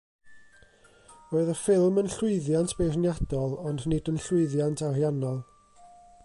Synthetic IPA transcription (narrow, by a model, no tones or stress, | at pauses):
roɨðəfɪlˠmənɬʊɨðjantʰb̥ejrnjadɔlˠɔndnɪdənɬʊɨðjantʰarjanɔlˠ